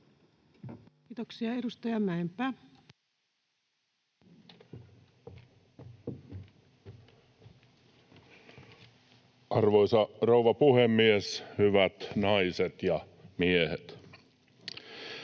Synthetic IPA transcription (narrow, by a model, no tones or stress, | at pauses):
kiːt̪oksiɑedust̪ɑjɑmæempæː | ʔɑrʋoisɑrouʋɑpuhemːieshyʋæt̪nɑiset̪jɑ | miehet̪